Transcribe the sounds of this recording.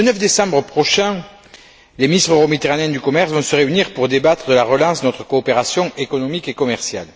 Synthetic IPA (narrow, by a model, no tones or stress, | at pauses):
lənœfd̪esɑ̃bʁəpχɔʃɛ̃ | leminist̪χəʁomit̪eʁaneɛ̃d̪ykɔmɛʁsvɔ̃səʁeyniʁpuʁd̪ebat̪χəd̪əlaʁəlɑ̃snɔt̪χə̥koːpeʁasjɔ̃ekɔnɔmikekɔmɛʁsja̰l